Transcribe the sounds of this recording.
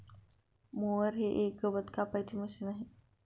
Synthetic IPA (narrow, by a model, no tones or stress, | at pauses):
moəɾɦeʔekəʋət̪kapajt͡ɕiːməsinaɦe